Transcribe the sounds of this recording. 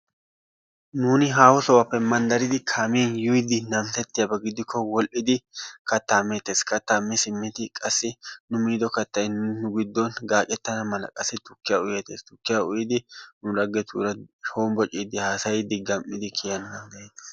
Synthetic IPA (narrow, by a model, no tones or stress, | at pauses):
nuːnɪɦaːfɔsɔwɐpːɛmɐnd̪ɐɾɪd̪ɪkʰaːmiɛnjʊjɪd̪ɪnɐmt̪ɛt̪ːɪjɐbɐɡɪd̪ɪkʰːɔwɔlʔɪd̪ɪkɐt̪ːaːmːet̪ːeːskɐt̪ːaːmːɛsɪmːɪt̪ɪkʼɐsːɪnʊmiːd̪ɔkɐt̪ːɐjnːʊɡɪd̪ːɔnɡaːkʼɛt̪ːɐnɐmɐlɐ̰kʼɐsɛt̪ʊkːɪjaʊjeːt̪eːst̪ʊkːɪjaʊjɪd̪ɪnʊɾɐɡːɛt̪ʰṵːɾɐo̞ːmbɔt͡ʃʼiːd̪ɪhaːsɐjɪd̪ɪɡɐmʔɪd̪ɪkʰɪjɐnmɐnd̪ɐje̥ːs